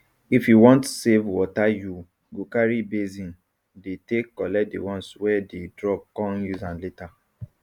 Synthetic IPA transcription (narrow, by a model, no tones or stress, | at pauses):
ifjuwɔ̃ntsevwɔtaju | ɡokaɹibezĩn | detekːɔlɛdḛwɔ̃nswɛdedɹɔp̚kɔ̃njuzãnleta